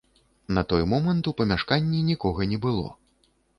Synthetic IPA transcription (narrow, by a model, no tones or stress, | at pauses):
nɐt̪ɔjmɔmɐnt̪upɐmʲaʂkanʲːinʲikɔɣɐnʲɛbɨlˠɔ̰